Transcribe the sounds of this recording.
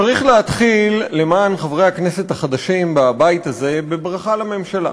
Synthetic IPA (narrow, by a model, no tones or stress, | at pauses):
aʁiχleat̪χilːe̞maːnχavʁe̞jhaknese̞t̪haχad̪aʃimbabajit̪aze̞be̞bʁaχalame̞mʃala̰